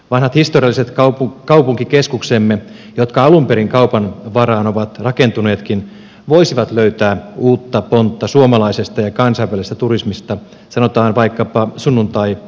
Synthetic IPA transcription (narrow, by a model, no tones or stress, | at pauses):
ʋɑnhɑt̪hist̪oriɑlːiset̪kɑpukɑupuŋkikeskuksemːe | jot̪kɑɑlumpeɾiŋkɑupɑnʋɑrɑːnoʋɑt̪rɑkent̪une̞ːt̪kin | ʋoisiʋɑt̪løyt̪æːuːt̪ːɑpont̪ːɑsuomɑlɑisest̪ɑjɑkɑnsɑiʋælist̪æt̪urismist̪ɑ | sɑno̞t̪ɑːnʋɑikːɑpɑsunːunt̪ɑi